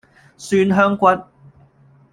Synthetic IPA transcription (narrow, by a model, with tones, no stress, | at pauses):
syː˥nɦœː˥ŋkʷɐ˥t̚